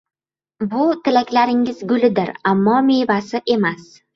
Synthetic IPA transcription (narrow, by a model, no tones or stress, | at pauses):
bʊt̪ʰɪlakʲlaɾɪŋɪzɡʊlɪd̪ɪɾamːɒmejvasɪʔe̞mas